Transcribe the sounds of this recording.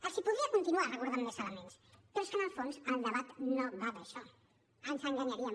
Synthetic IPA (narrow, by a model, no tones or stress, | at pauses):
əlsipuðɾiakunt̪inuarəkuɾðanmesələmẽnst̪enskənəlˠfonzəld̪əβat̪nobaðəʃɔ | əɲsəŋɡaɲaɾiə